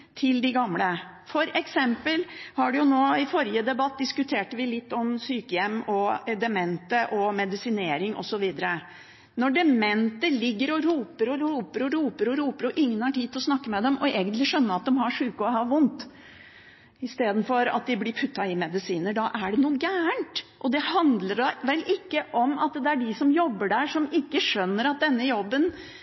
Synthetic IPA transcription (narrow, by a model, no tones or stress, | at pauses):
t̪ʰɪld̪ɪɡɑmlə | fɔɾɛksɛmpəlhɑɖʉjʊnoːɪfɔɾɪəd̪ɛbɑt̪̚d̪ɪskʉt̪ʰeːʈəʋɪlɪt̪ːɔmsyːkəjɛmːɔɛd̪ɛmɛnt̪əʔɔmɛd̪ɪsɪneːɾɪŋʔɔ̰sɔʋiːd̪əɾə | nɔɖɛmɛnt̪əlɪɡːəɾɔɾuːpəɾɔɾuːpəɾɔɾuːpəɾɔɾuːpəɾɔʔɪŋːənhɑʈiːd̪t̪ʰlɔsnɑkːəmɛd̪ɛmʔɔʔeːɡənt̪lɪʂœnːəɾɑt̪̚d̪ɛmɦɑʂʉːkəɔhɑʋʊnt̪ | ɪst̪eːd̪n̩fɔɾɑ̰t̪̚d̪ɪblɪɾpʰʉt̪ːɑɪmɛd̪ɪsiːnəɖɑʔæɖɛnuːəɡæːəɳʈʔɔd̪ɛhɑnd̪ləɖɑʋɛlʔɪkːəʔɔmɑt̪d̪ɛæɖɪsɔmjɔbːəɖæʂɔmɪkːəʂœnːəɾɑt̪̚d̪ɛnːəjɔbːən